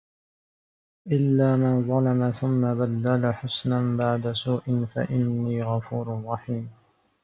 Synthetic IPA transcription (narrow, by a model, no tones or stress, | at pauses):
ʔɪlːaːmanðˤɑlɑmaθʊmːabad̪ːalaħʊsnanbaʕd̪asuːʔɪnfa̰ʔɪnːiːɣɑfuːɾʊrˤːɑħiːm